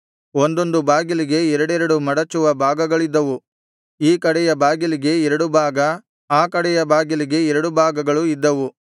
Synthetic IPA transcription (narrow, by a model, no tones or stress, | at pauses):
ond̪o̞nd̪ubaːɡiliɡe̞ɛɾɐɽɛɾɐɽumɐɽɐt͡ʃːuʋɐbʱaːɡɐɡɐɭid̪ːɐʋu | iːkɐɽɛjɐbaːɡiliɡe̞ɛɾɐɽubʱaːɡɐ | aːkɐɽɛjɐbaːɡiliɡe̞ɛɾɐɽubʱaːɡɐɡɐɭuid̪ːɐʋu